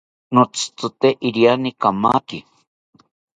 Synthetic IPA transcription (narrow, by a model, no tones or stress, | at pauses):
not͡sɨ̥t͡s̪ut̪eʔiɾjanikama̰ki